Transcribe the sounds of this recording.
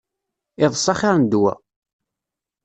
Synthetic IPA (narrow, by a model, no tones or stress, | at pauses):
ɪðˤsˤɑχɪɾˤnd̪wæ̰